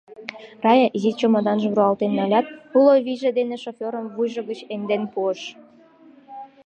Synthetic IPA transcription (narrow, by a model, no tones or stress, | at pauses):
rɑjezit͡ɕomɑd̪ɑnʒə̆βɾuɑlt̪enːɑlʲɑt̪̚uloβiʒĕd̪eneʃofʲoɾəmvujʒɤ̆ɡət͡ɕend̪enpuə̆ʃ